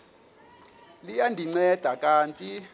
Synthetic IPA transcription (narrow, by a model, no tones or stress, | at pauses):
lijandʱiŋ͡ǀɛd̥ʱakʼaːntʼi